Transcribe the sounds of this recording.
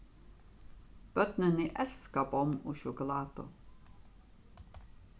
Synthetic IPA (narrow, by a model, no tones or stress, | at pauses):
b̥œt̪nəniʔɛlskabɔmuʃʊkʊlaːt̪o̰